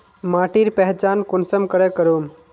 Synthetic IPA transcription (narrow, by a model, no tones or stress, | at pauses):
maʈiɾpɛɦt͡ʃankonsəmkəɾekəɾum